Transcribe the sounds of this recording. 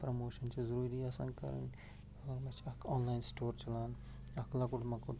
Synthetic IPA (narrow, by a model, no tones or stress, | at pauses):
pɾomoːʃɐnt͡ʃʰizɐɾuːɾiɐsɐ̰̃ŋɡkɐ̰ɾɐ̰n | ɔːɾmɐt͡ʃʰɐkʰɔːnlajnsʈoːɾt͡ʃɐlaːn | ɐkʰlakuʈmɐkuʈ